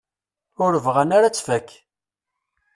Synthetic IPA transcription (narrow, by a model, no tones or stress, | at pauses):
ʊɾəvʁænaɾat͡sːvækː